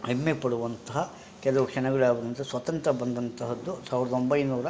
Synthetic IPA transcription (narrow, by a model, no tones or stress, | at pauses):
emːepɐɽuʋɐnt̪ɐɦɐ | kɛlɐʋɐkʂɐɳɐɡɐɭaːɡɐɾint̪ɐsʋɐt̪ɐnt̪ɾɐbɐnd̪ɐnt̪ɐɦɐd̪ːusaːʋiɾɐd̪ɐombɐjnuːɾɐ